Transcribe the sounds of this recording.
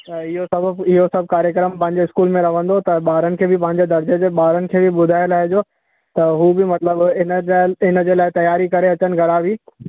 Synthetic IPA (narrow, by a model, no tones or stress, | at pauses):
t̪ɐɪɦosɐbɪɦosɐbʱkaːɾjəkɾəmpɐ̃ɦɪ̃ɲ̆d͡ʑeɪskuːlmẽɾɐʋ̤ə̃nd̪ot̪ɐɓaːɾənɪ̆kʰeːbɪpɐ̃ɦɪ̃ɲ̆d͡ʑed̪ɐɾd͡ʑed͡ʑeɓaːɾənɪ̆kʰeːbɪɓʊd̪ʱaːɪəlaːɦɪd͡ʑo | t̪ɐɦuːbɪmɐt̪ləbɪnɪnə̆d͡ʑeːlaːɪt̪ɐjaːɾikɐɾeɐt͡ɕənɪ̆ɡʱɐɾaːʋiː